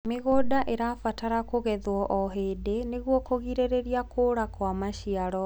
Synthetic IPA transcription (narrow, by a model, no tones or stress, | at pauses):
meɣoːdaʔeɾafataɾakoɣɛðwɔʔɔɦedeneɣwɔkoɣiɾeɾeɾiakʰoːɾakwamaɕiaɾɔ